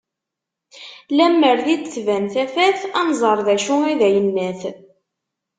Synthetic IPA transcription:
læmːəɾðid̪θvænθæfæθænzˤəɾˤðæʃʊiðæjənːæθ

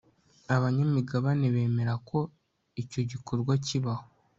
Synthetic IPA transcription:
aβaɲamiɡaβane̞βe̞ːme̞ɾakʰo̞ | ico̞ɟiko̞ɾɡwaciβaho

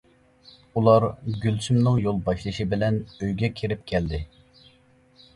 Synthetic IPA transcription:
ulˠɑɾɡʲylt͡ʃymnɨŋjolˠbɑʃlˠɨʃibɪlɛnøjɡʲɛkʲʰeɾɪp̚kʲʰɛld̪ɪ

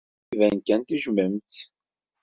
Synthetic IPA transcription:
ivænkænt̪iʒməmt̪

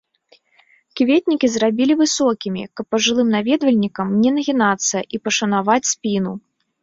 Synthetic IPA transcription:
kʲivʲɛt̪ʲnʲikʲizrabʲilʲivɨsɔkʲimʲḭkɐpːɐʐɨlˠɨmnavʲɛd̪vɐlʲnʲikɐmnʲɛnɐɣʲinat̪sːɐʔipɐʂɐnavat͡sʲsʲpʲinu

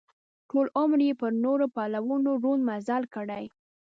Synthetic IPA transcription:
ʈolʊmɾjepəɾnoɾopɑlawunoɾunmazalkəɽaj

